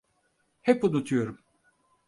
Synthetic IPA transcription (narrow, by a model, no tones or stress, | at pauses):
hɛpunut̪ʰujo̞ɾum